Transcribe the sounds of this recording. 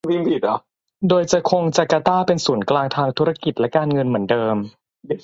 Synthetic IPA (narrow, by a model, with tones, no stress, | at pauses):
wi˥˩ŋpʰi˨˩ɔ˨˦ | doː˧jt͡ɕa˨˩kʰo˧ŋt͡ɕa˨˧˩kaː˧t̪aː˥˩pe˧nsuː˩˦nklaː˧ŋt̪ʰaː˧ŋt̪ʰu˦˥ɾa˧ki˨˩t̪̚lɛ˦˥kaː˧nŋɤ˧nmɯ˩˦əndɤː˧m